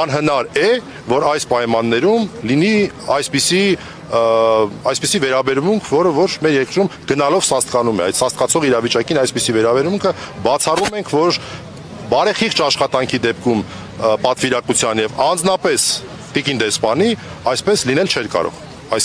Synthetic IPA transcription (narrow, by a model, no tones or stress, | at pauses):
ɑnɦənɑɾɛ | vɔɾɑjspɑjmɑnːɛɾumliniɑjspisi | ɑjspisivɛɾɑbɛɾmuŋkʰvɔɾəvɔt͡ʃʰmɛɾjɛkɾumɡ̥ənɑlɔvsɑst̪̚kɑnumɛ̰ɑjd̪sɑst̪̚kɑt͡sʰɔʁiɾɑvit͡ʃɑkinɑjspisivɛɾɑbɛɾmuŋkʰəbɑt͡sʰɑrumɛŋkʰvɔɾ | bɑɾɛχiχt͡ʃɑʃχɑt̪ɑŋkʰid̪ɛp̚kʰum | pɑt̪viɾɑkut͡sʰjɑnjɛvɑnd͡znɑpɛs | t̪ikind̪ɛspɑni | ɑjspɛslinɛlt͡ʃʰɛɾkɑ̰ɾɔ̰ʁ | ɑjs